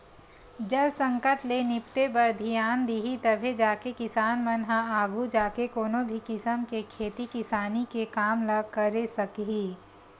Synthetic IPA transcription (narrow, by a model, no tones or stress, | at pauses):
d͡ʒɐlsɐ̃ŋkəʈlenɪpt̪ebɐɾd̪ʱijaːnd̪iɦit̪ɐbʱed͡ʒaːkekɪsaːnmɐnɦaaːɡʱud͡ʒaːkekoːnõbʱikɪsəmkekʰeːt̪ikɪsaːnikekaːmlɐɡkɐɾesɐkɦiː